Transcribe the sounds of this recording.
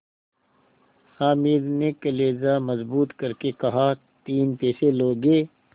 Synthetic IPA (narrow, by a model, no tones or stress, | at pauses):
haːmiːd̪nekɐleːzamɐzbuːt̪kɐɾkekɐɦa | t̪iːnpeːseloːɡeː